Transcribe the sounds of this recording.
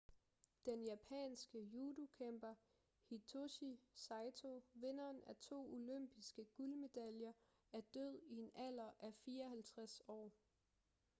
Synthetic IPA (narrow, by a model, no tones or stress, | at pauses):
d̥enjæpʰɛ̰ːnsɡ̥əjuːdukʰemb̥ɐ | hit͡sʰoɕisɑ̈ɪt͡sʰo̝ʋe̝nɐːnæɐt͡sʰo̝̰ːoløm̰b̥isɡ̥əɡ̥ulme̝d̥æljɐ | æɐd̥øð̰ˠie̝nʔæl̰ɐʔæfiːɐɒhælt͡sʰʁasɒ̰ː